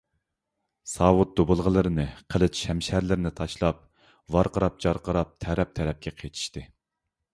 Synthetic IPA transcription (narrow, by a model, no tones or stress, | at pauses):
sɑːwʊt̪̚d̪obʊlˠʁəlˠɨɾɨnɨqʰəlˠɨt͡ʃ̪ʃɛmʃæɾlɪɾɪnɪt̪ʰɑʃlˠɑp̚ | vɑɾqəɾɑp̚d͡ʒɑɾqəɾɑp̚t̪ʰɛɾɛp̚t̪ʰɛɾɛp̚kʲʰɛqʰejt̪ʰi̥ʃt̪ɨ